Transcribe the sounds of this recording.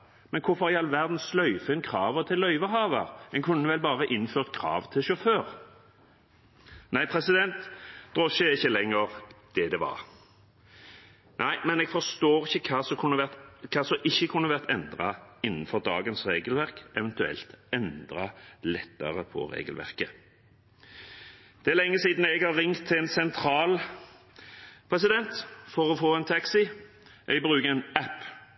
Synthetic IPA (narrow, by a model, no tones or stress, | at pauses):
mɛnkʰʊfɔʁjɑlʋæʁd̪n̩slœʏfəɪnkʰʁɑːʋət̪ʰɪlːœʏʋəɦɑːʋəʁɛnkʰʉnːəʋɛlbɑːʁəʔɪnføːʁt̪̚kʰɾɑ̰ːʋt̪ʰɪʃʊføːʁ | næɪpʰɾɛsɪd̪ɛnt̪d̪̥ʁɔʃəɪçːəlɛŋːəʁd̪̥ɛd̪ɛʋɑ̰ʁ | nʔæɪmɛnɛɡ̥fɔst̪oːɾɪçːəkʰɑːsɔkʰʊnːəʋæt̪kʰɑːsɔʔɪçːəkʰʊnːəʋæʁt̪ɛnd̪ʁɑɪnːn̩fɔʁd̪ɑːɡənsʁeːɡəlʋæʁkɛʋɛnt̪ʉɛ̰lt̪ɛnd̪ʁɑlɛt̪ːəʁəpʰɔ̰ʁḛːɡəlʋæ̰ʁkə | d̪̥ɛæːʁlɛŋːəsiːd̪n̩ɛɡhɑʁːɪŋt̪ʰːɪɛnsɛnt̪ʰɾɑːl | pʰʁɛsɪd̪ɛnt̪fɔʁɔfoːɛnt̪ʰɑksɪ | ʔɛɡ̚bʁʉːkəɛnæp